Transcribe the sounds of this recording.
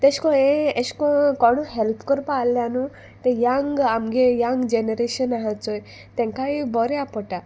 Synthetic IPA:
t̪eskɔẽeɕkɔ̃kɔɽ̃ũɦɛlpʰkɔɾpalːjanu | t̪ẽjaŋɡamɡejaŋɡd͡ʑeneɾeɕənaɦãt͡sɔj | t̪ẽŋkaibɔɾeapɔʈa

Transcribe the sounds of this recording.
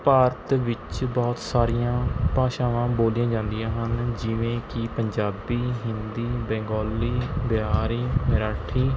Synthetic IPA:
paːɾət̪ʋɪt͡ʃbɔːt̪saːɾiːãːpaːʃaːʋãːboːlijãːd͡ʒãːnd̪ijãːɦənd͡ʒɪʋẽːkɪpəɲd͡ʒaːbiːɦɪnd̪iːbɛ̃ːŋɡɔːlːiːbaːɾiːmɪɾaːʈʰiː

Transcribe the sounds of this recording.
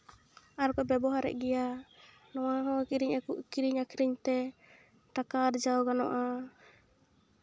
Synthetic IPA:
aɾkɔbɛbɔɦaɾɛ̰ʔɡɛja | nɔwaɦɔ̃kiɾiɲɛkuʔkiɾiɲakʰiɾiɲt̪ɛ | ʈakaɾd͡ʒawɡanɔ̰ʔa

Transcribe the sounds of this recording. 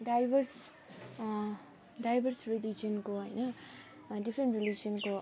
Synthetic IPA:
ɖajbʱʌɾs | ɖajbʱʌɾsɾilid͡ʒiʌnkoɦʌjnʌ | ɖipʰɾeɳʈrilid͡ʒiʌnko

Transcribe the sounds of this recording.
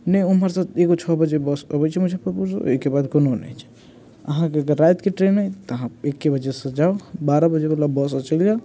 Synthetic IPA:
nəiuməɾsat̪ʰeɡot͡ʃʰɔbəd͡ʒebɔsəbɛt͡ʃʰɛmud͡ʒʱepəpuɾd͡ʒo̰ekebad̪kononɛ̰jt͡ʃʰɛ̥ | ə̰ɦãkekəɾajt̪keʈɾenəjt̪ɔɦãekːebəd͡ʒesə̃d͡ʒaobaɾəbəd͡ʒekelabɔs̬ət͡ʃəlija

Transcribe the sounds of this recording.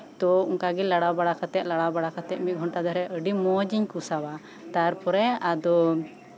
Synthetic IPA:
t̪ɔuŋkaɡɛlaɽabaɽakat̪ɛʔ̪̚laɽabaɽakat̪ɛʔ̚mit̪̚ɡʱɔɳʈad̪aɾɛʔəɖimɔd͡ʒiɲkusawa | t̪aɾpɔɾɛad̪ɔ

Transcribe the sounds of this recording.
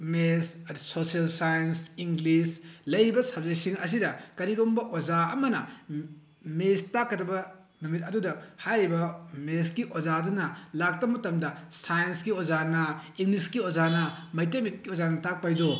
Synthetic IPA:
mesɐtsosiɐlsajɐnsiŋɡlislɐjɾibɐsɐb̚zɐjsiŋɐs̬idɐkɐɾiɾombɐʔozaɐmɐnɐ | mestakːɐdɐbɐ | numit̚ɐdudɐhajɾibɐmeskiʔozadunɐlak̚tɐmɐtɐmdɐsajɐnsɡiozanɐiŋɡliskiozanɐmɐjtemit̚kiozanɐtak̚pajdo

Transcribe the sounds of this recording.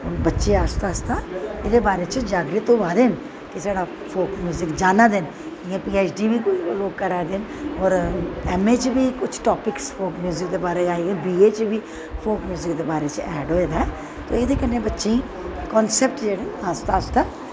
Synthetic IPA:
oːnbətːʃeaːst̪aːst̪aːeːd̪eːbaːɾeːt͡ʃd͡ʒaːɡɾit̪õːʋaːd̪eːn | kɪsaːɽaː | pʰoːkmjuːzɪkd͡ʒaːnaːd̪en | ɪãːpiːeːt͡ʃɖiːbʱiːkloːɡkəɾaːed̪eːnɔːɾɛːmeːt͡ʃbʱiːkʊt͡ʃʰʈɔːpɪkspʰoːkmjuːzɪkd̪eːbaːɾed͡ʒaːeɡebiːeːt͡ʃbʱiː | pʰoːkmjuːzɪkd̪eːbaːɾeːt͡ʃɛːɖoːeːd̪aɛ | t̪o̰ːeːd̪eːkənẽbətːʃẽ | kɔːnsɛp̚ʈd͡ʒeːɽeːaːst̪aːst̪aː

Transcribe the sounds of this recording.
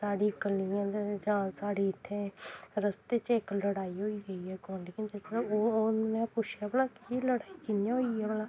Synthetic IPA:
saːɽiːkəliãːd̪d͡ʒãːsaːɽiːɪt̪ʰːeːɾəst̪eːt͡ʃɪkləɽaːiːɦoːiːɡəiːɦɛːkõːnɖikɪ̃nt̪etomɛ̃ːpʊt͡ʃʰjaːbəlãːkɪləɽaːiːkɪnjaːɦoːiːɦɛːbəlãː

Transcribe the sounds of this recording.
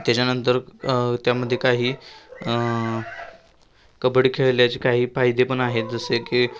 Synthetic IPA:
t̪jat͡ɕanənt̪əɾt̪jaməd̪ʱːjekaɦiː | kəbɽiːkʰeɭljat͡ɕikaɦiːfaɦjd̪epəɳaɦet̪̚d͡zəsekiː

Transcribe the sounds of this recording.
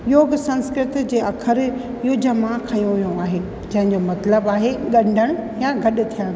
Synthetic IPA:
joːɡsɐ̃nskɾɪt̪d͡ʑeːʔɐkʰəɾ | ɪɦod͡ʑɐmãkʰɐijũʋɐjõaːɦeː | d͡ʑɐ̃ɦɪ̃ɲd͡ʑomɐt̪ləbaːɦeɗɐ̃ɳɖʱəɽ̃jaɡʱɐɗʊ̆t̪ʰijəɽ̃

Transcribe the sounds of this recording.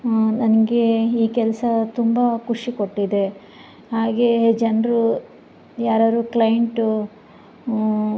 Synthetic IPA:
nɐnɐɡeiːkɛlɐsɐt̪umbɐkuʂiko̞ʈːid̪e̞ | ɦaːɡed͡ʒɐnɾu | jaːɾaːɾuːklɐjɐɳʈu

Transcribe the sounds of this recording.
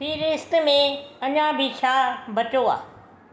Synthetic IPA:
piːɾɪst̪̆mẽɐɲãbʱɪt͡ɕʰaːbɐt͡ɕoa̰ː

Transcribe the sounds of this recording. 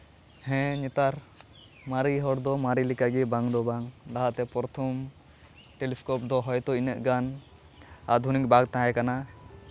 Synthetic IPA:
hɛ̃ɲɛt̪aɾ | maɾiɦɔɽd̪ɔmaɾilikaɡɛbaŋd̪ɔbaŋd̪aɦaʔt̪ɛpɔɾɔt̪ʰɔm | ʈeliskɔp̚d̪ɔɦɔjt̪ɔinəʔɡan | ad̪ʱunikbaɡt̪ãɛkana

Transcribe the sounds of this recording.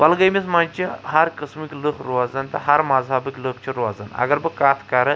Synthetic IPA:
balˠɡʲajmɪzmant͡ʃʰahaɾqʰɨsmɪkʲlɨχɾʊwazand̪ahaɾmazhabɪkʲlˠɨχt͡ʃʰɪɾʊwazana̰ɡʲaɾbɪkʰat̪ʰkʰaɾɪ

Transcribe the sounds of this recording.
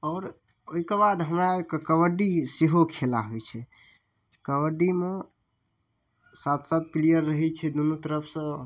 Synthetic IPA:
ɔːɾ | oɦikebad̪ɦəmɾakekəbəɖiseɦokʰelaɦojt͡ʃʰɛ | kəʋəɖime | sat̪ʰsat̪̚klijəɾːəɦɛt͡ʃʰɛd̪unut̪əɾəpʰsə̃

